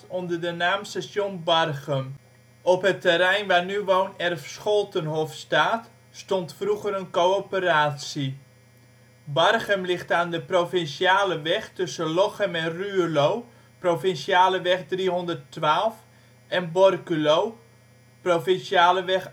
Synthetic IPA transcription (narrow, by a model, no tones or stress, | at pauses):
ɔndərdənaːmstasjonbarxəm | ɔpɦətəɾɛjnʋaːrnyʋownɛrfsχolˠtənɦɔfstaːt | stɔntfruɣəɾənkowopəɾaːtsi | barxəmlɪxtaːndəprofɪnsjaːləʋɛxtɵsəlɔxəmɛnrylow | profɪnsiaːləʋɛxdriɦɔndərtʋaːlˠf | ɛnbɔrkylow | profɪnsjaːləʋɛx